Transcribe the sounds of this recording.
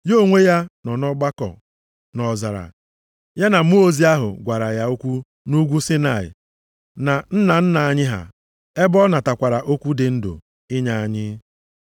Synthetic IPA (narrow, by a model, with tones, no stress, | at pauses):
jo˦˨ŋʷe˦ja˦nɔ˨nɔ˦ɡ͡ba˦kɔ̰˨ | nɔ˨za˨ɾa̰˨ | ja˦na˨mu˦o˦zi˦a˦ɦʊ̰˨ɡʷa˨ɾa˨ja˦o˦kʷu˦ | nu˦ɡʷu˦sɪ˦na˨ɪ̰˨ | na˨n̩˦na˨n̩˦na˨a˦ɲɪ˦ɦa̰˨ | e˦bɔ˦na˨ta˨kʷa˨ɾa˨ʔo˦kʷu˦dɪ˨n̩˦dʊ̰˨ | ɪ˦ɲa˨a˨ɲɪ˦